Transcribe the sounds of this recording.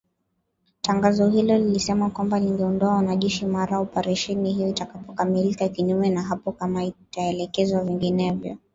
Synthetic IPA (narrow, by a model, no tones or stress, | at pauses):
taŋɡazɔɦilɔlilisɛmakwambaliŋɡɛɔndɔawanaʄɛʃimaɾaɔpɛɾɛʃɛnihijɔitakapɔkamilikakiɲuɛnaɦapɔkamaitaɛlɛkɛzwaviŋɡinɛvjɔ̰